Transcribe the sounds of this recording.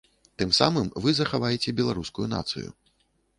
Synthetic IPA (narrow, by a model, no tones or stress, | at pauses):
t̪ɨmsamɨmvɨzɐxavajɛt͡sʲɛbʲɛlˠaɾuskujuna̰t̪sɨ̰jṵ